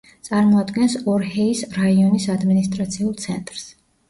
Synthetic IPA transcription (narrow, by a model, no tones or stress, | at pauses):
t̪sʼaɾmɔad̪ɡɛnsɔɾhɛisɾaiɔnisad̪minist̪ʼɾat̪sʰiulˠt̪sʰɛnt̪ʼɾs